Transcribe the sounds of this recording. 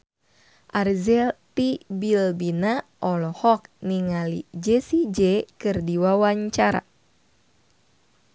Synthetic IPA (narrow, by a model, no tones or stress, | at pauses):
ʔarzɛlt̪ibilbinaʔɔlɔhɔk̚niŋalḭd͡ʒɛsid͡ʒɛkɨrdiwawaɲt͡ʃaɾa̰